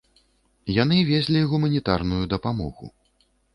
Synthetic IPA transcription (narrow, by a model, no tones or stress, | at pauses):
janɨvʲeɛzʲlʲiɣumɐnʲit̪arnujud̪ɐpamɔ̰ɣṵ